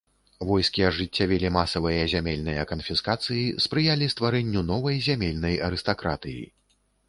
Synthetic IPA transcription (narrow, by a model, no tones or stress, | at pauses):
vɔjskʲiɐʐɨt͡sʲːavʲɛlʲimasɐvɨjɐzʲamʲɛlʲnɨjɐkɐnfʲiskat̪sɨjispɾɨjalʲist̪vaɾɛnʲːunɔvɐjzʲamʲɛlʲnɐjɐɾɨst̪akɾat̪ɨjḭ